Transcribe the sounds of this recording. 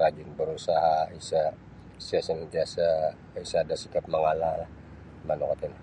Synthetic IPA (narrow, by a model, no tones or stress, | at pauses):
ɾad͡ʒɪnbəɾusaɦaisa | siasənɡiasa | isaːdasikap̚məŋalalah | manokat̪in